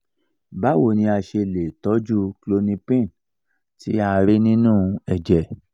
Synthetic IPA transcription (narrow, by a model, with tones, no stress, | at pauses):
ba˨˦wo˦˨nĩ˧a˧˨ʃe˧le˨tɔ˨˦d͡ʒu˦klo˧nĩ˧pĩ˦˨ | tḭ˨˦a˧ɾe˦nĩ˦nũ˦ɛ˨d͡ʒɛ˨